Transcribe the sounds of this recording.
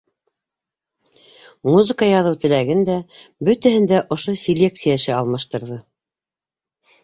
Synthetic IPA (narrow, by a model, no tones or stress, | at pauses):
muzɤ̆kɑjɑðɤwt̪ɘ̆læɡɘnd̪æbɵt̪æhɘnd̪æʔŏʃosʲelʲek̚t̪sɨjaɘ̆ʃɘaɑlˠmɑʃt̪ɤ̆ɾðɤ